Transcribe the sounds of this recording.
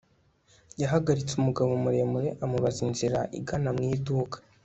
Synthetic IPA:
jaɦaɡaɾit͡sumuɡaβomuɾe̞ːmuɾe̞ʔamuβazinziɾaʔḭɡanamŋiːduːkḁ

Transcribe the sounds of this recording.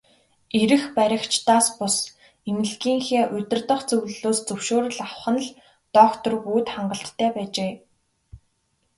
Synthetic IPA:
eɾɘ̆xpæɾʲɪ̆kt͡ɕt̪aːspʊs | emɘ̆ɮɡiːŋxeːʔʊt̪ʲɪ̆rt̪ə̆χt͡sɵwɮɮoːst͡sɵwʃoːɾə̆ɮawχə̆nɮ | t̪ɔːkt̪ɞ̆rɡuːt̪χaɴɢə̆ɬt̪ʰːæːpæːt͡ɕeː

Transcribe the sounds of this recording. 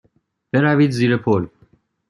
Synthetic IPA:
b̥e̞ɾæviːd̪ziːɾepʰol

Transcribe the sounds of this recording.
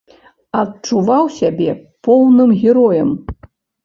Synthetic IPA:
ɐt̚t͡ʂuvawsʲabʲɛpɔwnɨmɣʲɛɾɔjɐm

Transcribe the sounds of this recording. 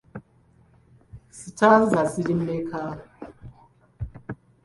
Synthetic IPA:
sitʰazasilimekʰa

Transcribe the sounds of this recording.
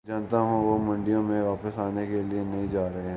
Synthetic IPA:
d͡ʒaːnt̪aɦũʋomɐ̃ɳɖijõmẽʋaːpəsaːnekelienɐɦĩd͡ʒaːɾɐɦeɦɛ̃

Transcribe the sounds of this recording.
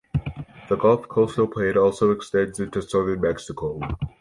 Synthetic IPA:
ðəɡɔlˠfkʰoʊsoʊpʰl̥eɪɨɾɔlˠsoʊɨkstɛ̃ndzɪ̃ntusʌðə˞nmɛksɨkʰoʊ

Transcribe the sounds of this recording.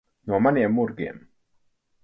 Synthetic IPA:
ɲomanɛːmorɡɛ̰n

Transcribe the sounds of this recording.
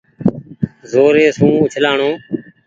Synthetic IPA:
zoːɾeːsũːʊt͡ʃʰlaːɳõː

